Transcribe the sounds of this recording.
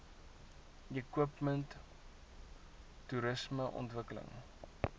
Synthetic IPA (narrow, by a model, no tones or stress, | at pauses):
jəkwəpmənt | uɾəsməʔɔ̰ntvəkələ̰ŋ